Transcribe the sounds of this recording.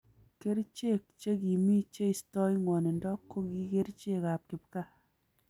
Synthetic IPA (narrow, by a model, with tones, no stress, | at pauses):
ke˦ɾt͡ʃe˦˨k̚t͡ʃe˦ki˨mi˦t͡ʃe˦i˨stɔ˦jŋwɔ˨ne˨ndɔ˦kːo˦ki˦ke˦ɾt͡ʃe˦ka˨p̚kɪ˨p̚ka˦